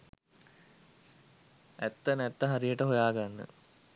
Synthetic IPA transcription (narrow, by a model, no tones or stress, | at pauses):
æt̪ːənɛt̪ːəɦaɾijəʈəɦojaːɡanːə̰